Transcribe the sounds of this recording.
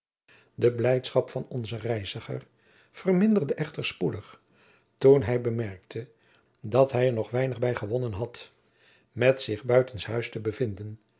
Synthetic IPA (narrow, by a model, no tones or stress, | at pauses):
dəblɛjtsχɑpfɑnɔnzərɛjzəχə̰ɹ | v̥ərmɪndərdəʔɛχtəɹspudəχ | tunɦɛjbəmɛɹk̚tʰə | dɑtɦɛjəɹnɔχʋɛjnəχbɛjχəʋɔnənɦɑt | mɛtsɪχbœɥtənsɦœɥstəbəvɪndən